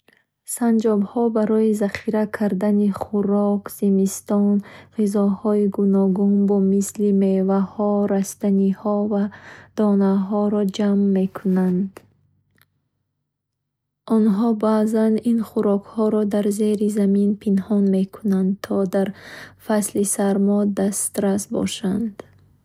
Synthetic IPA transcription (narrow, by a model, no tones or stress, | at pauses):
sand͡ʒɔbhɔbaɾɔizaχiɾakʰaɾd̪aniχuɾɔkz̥imist̪ɔnʁizɔhɔiɡunɔɡunbɔmislimevahɔɾast̪anihɔvad̪̥ɔnaɦɔɾɔd͡ʒamːe̞kʰunand̪ | ʔɔnɦɔbaːzaninχuɾɔkhɔɾɔd̪aɾzeɾizaminpʰinhɔnme̞kʰunand̪̚t̪ʰɔd̪aɾfaslisaɾmɔd̪ast̪ɾasbɔ̰ʃand̪̥